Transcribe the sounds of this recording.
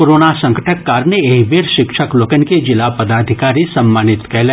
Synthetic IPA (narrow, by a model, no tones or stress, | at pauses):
koɾoːnasɐ̃ŋkəʈʰəkːaːɾneeɦʋeːɾʃɪkʃəkloːkənked͡ʒɪlapɐd̪aːd̪ʱɪkaːɾisɐmːaːnɪt̪kɛɦle